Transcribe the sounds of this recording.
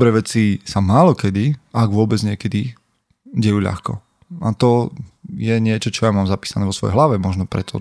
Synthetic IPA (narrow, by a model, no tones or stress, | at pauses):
ɔbɾɛːʋɛt͡sisamaːlɔkɛd̪iaɡʋʊɔbɛd͡zɲɪɛkɛd̪i | ɟɛjuːʎa̰xkɔ̰ | at̪ɔjɛɲɪɛt͡ʃɔt͡ʃɔjamaːmzapiːsanɛːʋɔsʋɔjɛ̰ɦlaʋɛmɔʒnɔpɾɛt̪ʰɔ̰